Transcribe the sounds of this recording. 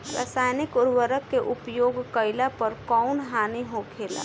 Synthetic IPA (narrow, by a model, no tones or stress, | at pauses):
ɾa̰saːjnɪkoɾʋəɾəkːeʔupjoːɡkəɪlapəɾkɔʊnɦaniɦokʰela̰